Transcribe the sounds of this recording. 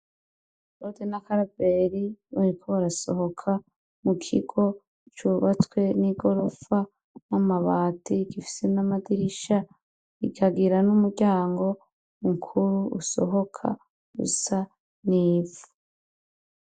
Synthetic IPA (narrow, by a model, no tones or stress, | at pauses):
odenakaɾabeɾiβaɾikʰoβaɾaso̞ɦo̞kʰa | mukʰḭɡo̞ | t͡ʃuβat͡swe̞niɡo̞ɾofa | namaβaːtiɡifi̥se̞namadiɾiʃa | iɡaɡiɾanumuɟaːŋɡo̞ | uŋkʰuɾuuso̰ɦo̞kʰa̰ | ɡṵsa | niːvu̥